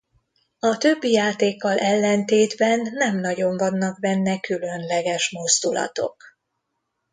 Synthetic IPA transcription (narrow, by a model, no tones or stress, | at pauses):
ɒt̪ø̞bːijaːt̪eːkːɒlʔɛlːɛnt̪eːd̪bɛnːɛmnɒɟo̞ɱvɒnːɒkbɛnːɛkylø̞nlɛɡɛʃmo̞zd̪ulɒ̰t̪o̞̰k